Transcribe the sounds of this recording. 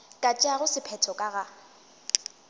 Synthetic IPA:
kʼat͡ʃʼaɣʊsɪpʰɛtʰɔkʼaɣa

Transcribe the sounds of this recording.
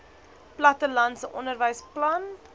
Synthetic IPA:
plɐtəlɐnsəʔɔ̰ndərvəjsplɐn

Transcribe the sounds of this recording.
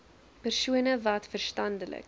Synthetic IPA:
pərsuənəvɐtfərstɐndələ̰k

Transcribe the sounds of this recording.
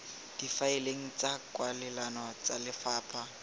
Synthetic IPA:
d̥ifaeleŋ̩t͡sʼakʼwalɛlanɔt͡salɪfaːpʰa

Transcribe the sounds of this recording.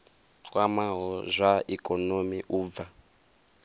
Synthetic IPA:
wamaɦɔzʷaikʼɔnomiʔuːb̪va

